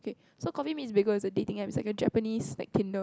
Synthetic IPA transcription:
oke | sokɔfimisbiɡəɪsədetĩŋɛ̃pisla̰ɪkəd͡ʒɛ̰pənisla̰k̚tʰĩndo

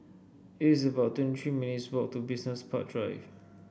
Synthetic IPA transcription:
itisəbaʊtːwɛ̃nttʰɹiminitswɔk̚tubisnəspʰaʔ̚dɹa̰jv

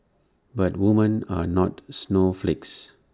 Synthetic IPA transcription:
bat̚wumə̃nanɔtsnoflɪks

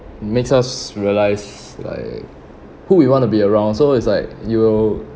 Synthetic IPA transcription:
meksasɹiəlaɪs | la̰ɪk̚ | huwiwɔ̃ntubiəɹãʊ̃ndsoɪtslaɪk̚juwɪl

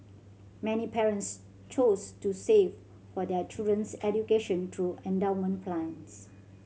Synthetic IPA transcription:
mɛnipɛɹə̃nts | t͡ʃostusev | fɔdɛt͡ʃildɹə̃nsɛdjukeʃə̃ntʰɹuɛ̃ndaʊnmə̃npʰlãns

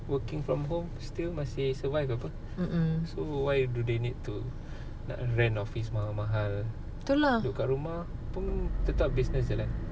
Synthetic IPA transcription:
wəkɪŋfɹɔmɦõmst̪ilmasɪhsəvajfapə | sowajdudenid̚t̪u | na̰ʔɹɛ̃nɔfis̬maɦalmãɦal | t̪uladoʔkaʔɾumahpunt̪ət̪ap̚bisnəs̬dəlan

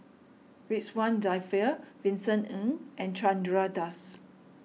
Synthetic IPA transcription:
ɹitswãndajfɛvĩnsə̃nə̃ŋʔɛ̃nt͡ʃãndɹadas

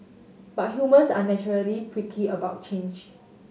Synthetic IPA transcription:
b̥at̚ɦjumə̃sanɛt͡ʃɔɹəlikʰɹikʰiəbaʊt̚t͡ʃẽnd͡ʒ

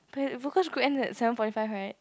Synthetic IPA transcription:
pʰɛvokɔsɡuɛ̃nɛ̰tsɛvə̃nfɔtifaɪvɹaɪt̚

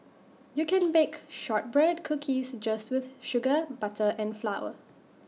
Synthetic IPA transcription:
jukɛ̃nbekʃɔt̚bɹɛd̚kʰukʰisd͡ʒastwɪθʃʊɡəbatʰəʔɛ̃nflawə̰

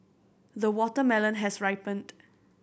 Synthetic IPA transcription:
ðəwɔtəmɛlə̃nɦɛsɹaɪpə̃nd

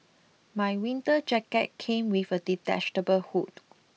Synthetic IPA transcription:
majwĩntəd͡ʒɛkɛt̚kʰẽmwifəditɛ̰t͡ʃtəbəlhut̚

